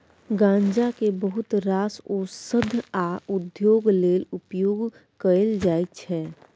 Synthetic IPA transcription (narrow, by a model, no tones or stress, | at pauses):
ɡãːɲd͡ʒakebəɦʊt̪ɾaːsoːsəd̪ʱaʊd̪joːɡleːlʊpjoːɡ | kəəld͡ʒaːit͡ʃʰɛː